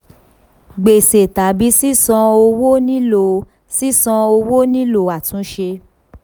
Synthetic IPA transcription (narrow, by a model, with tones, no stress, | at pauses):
ɡ͡be˨se˨ta˨˦bi˨˦si˦sɔ̃˧o˧wo˦nĩ˦lo˨ | si˦sɔ̃˧o˧wo˦nĩ˦lo˧˨a˨tũ˨˦ʃe˧